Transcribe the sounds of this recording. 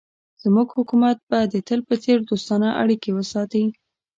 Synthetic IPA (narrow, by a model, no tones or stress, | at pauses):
z̥muɡhʊkumat̪̚bad̪ːət̪əlpət͡seɾd̪ost̪ɑnaʔa̰ɽikewəsɑt̪əi